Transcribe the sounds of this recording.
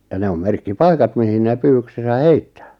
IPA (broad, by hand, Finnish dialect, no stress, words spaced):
jɑ ne om merkːipɑikɑt mihin neˑ pyːwyksesæ heitːæ̥ː